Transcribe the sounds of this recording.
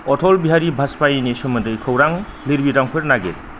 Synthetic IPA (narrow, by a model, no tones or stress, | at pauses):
ɔtʰɔlbiɦaɾibʱaspajinisɯmɐndɯjkʰɯwɾaŋ | liɾbitaŋpʰɯɾnaɡet̚